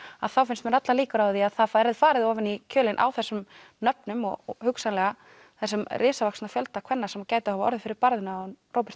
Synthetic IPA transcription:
a̰ðθawfɪnst̪mɛɾat̪laliːkʏɾawðiaðθaðfɛɾɛðfaːɾɪðɔvɪnicʰœːlɪnʔa̰wθɛsːʏm | nœp̚nʏmɔ̰ɣhʏksanlɛɣa | θɛsːʏmrɪːsavaksnafjœlt̪akʰvɛnːasɛmacaːjt̪ahavaɔ̰ɾðɪfɪɾɪɾpaɾðɪnarʔoːwpɪ̥st̪

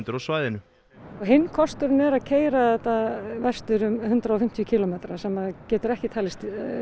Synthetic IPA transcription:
nt̪ʏɾɔsvaːjðɪnʏ | ɔɣɦɪnːkʰɔst̪ʏɾnɛɾaðcʰeːjɾaθɛt̪avɛst̪ʏɾʏmhʏnt̪ɾaɔfɪm̥t̪ʰjʏcʰiːlɔmeːt̪ɾasɛmːaðcɛːt̪ʏɾɛhcɪt̪ʰaːlɪst̪

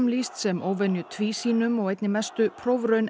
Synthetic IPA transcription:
mliːst̪sɛmʔoːʋɛnjʉt̪ʰʋiːsiːnʉmɔːɛɪt̪nimɛst̪ʉpʰɾɔʋɾœʏn

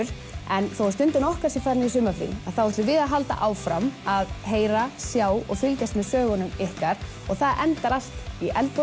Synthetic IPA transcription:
ʏɾ | ɛnθowst̪ʏnt̪ʏnɔhkḁsɪfaɾnɪisʏːmafɾḭaθawɛt̪lʏɾvɪðaðɦalt̪a̰ʔaːwfɾamaðɦeːjɾasjaːwɔɣfʏlcast̪mɛðsœːɣʏnʏmɪhkaɾ̥ | ɔɣθaðʔɛnt̪aɾal̥t̪iʔɛlt̪po

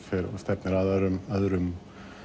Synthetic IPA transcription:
fɪɾɔ̰st̪ɛpnɪɾaðaɾʏmaðɾʏm

